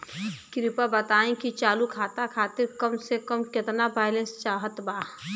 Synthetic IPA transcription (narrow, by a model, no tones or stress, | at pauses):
kɾɪpabət̪aːẽkit͡ʃaːlukʰaːt̪akʰaːt̪ɪɾkəmsekəmkɪt̪nabaːɪlẽnst͡ʃaːɦət̪baː